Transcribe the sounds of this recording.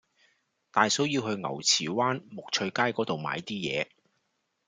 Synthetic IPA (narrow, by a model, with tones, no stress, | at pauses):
t̪aː˨jso˨˥wjiː˧wɦɵ˧ɥŋɐ̰˨˩wt͡sʰiː˨˩waː˥nmʊ˨k̚t͡ʃʰɵ˧ɥkaː˥jkɔː˨˥t̪o˨wma̰ː˨˧jt̪iː˥jɛ̰ː˨˧